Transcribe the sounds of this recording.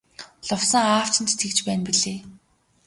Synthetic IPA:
ɮʊwsə̆ŋaːw̥t͡ɕɪ̆nt̪e̥t̪ɡɘ̆kt͡ɕpæːnpiɮeː

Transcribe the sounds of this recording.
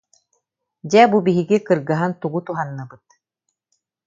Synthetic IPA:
d͡ʑɛbubiɦiɡikɯɾɡaɦant̪uɡut̪uɦanːɯbɯt̪̚

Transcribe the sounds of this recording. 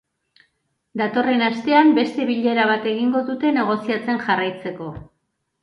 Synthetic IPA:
d̪at̪o̞re̞nast̪e̞ambe̞st̪e̞βiʎe̞ɾaβ̞at̪e̞ɣiŋɡo̞ðut̪e̞ne̞ɣ̞o̞siat͡se̞nʝarajt͡se̞ko̞

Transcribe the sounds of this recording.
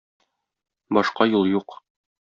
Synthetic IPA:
bɒʃqɑjulˠjuq

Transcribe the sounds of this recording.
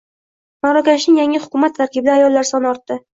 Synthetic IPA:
maɾɒkʲanɪʃnɪŋjaŋɪhʊ̥kʲʊmat̪ʰːaɾkʲɪb̚d̪aajɒlːaɾsɒnɒɾt̪ːɪ

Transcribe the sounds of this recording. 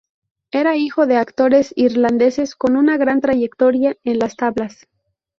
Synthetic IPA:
e̞ɾaixo̞ðe̞akt̪o̞ɾe̞siɾland̪e̞se̞sko̞nunaɣɾant̪ɾaʝe̞kt̪o̞ɾjae̞nlast̪aβlas

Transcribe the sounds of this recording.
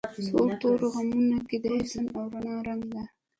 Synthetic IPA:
soɾt̪oɾoɣamunaked̪aisanawɾanɑɾaŋɡd̪a

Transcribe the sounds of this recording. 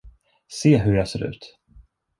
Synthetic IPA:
seːɦɵɾjɑseːɾʉ̟̰ːt̪

